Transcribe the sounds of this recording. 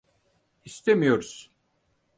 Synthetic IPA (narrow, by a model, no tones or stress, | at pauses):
ist̪ʰemijo̞ɾuz̥